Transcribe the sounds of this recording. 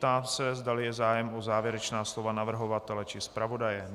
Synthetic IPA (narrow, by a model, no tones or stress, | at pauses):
t̪aːsɛzdalɪjɛzaːjɛmʔozaːvjɛɾɛt͡ʃnaːslo̞vanavr̩ɦo̞vat̪ɛlɛt͡ʃɪspɾavo̞dajɛ